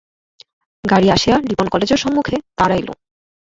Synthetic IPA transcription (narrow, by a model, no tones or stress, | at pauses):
ɡaɽiaʃealiponkɔled͡ʑeɾʃɔmːukʰet̪aɾajlo̰